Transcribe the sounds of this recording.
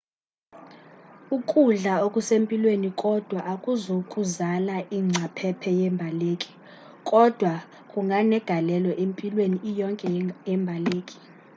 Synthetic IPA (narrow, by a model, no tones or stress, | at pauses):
ukʼuɮaokʼusempʼilwenikʼɔd̥ʱwaʔakʼuzokʼuzalaʔiŋ͡ǀʱapʰɛpʰɛjɛmbʱaleːkʼi̥ | kʼɔd̥ʱwa | kʼuŋɡʱanɛɡ̥ʱalɛlɔʔempʼilweniːjɔŋkʼɛɛmbʱaleːkʼi̥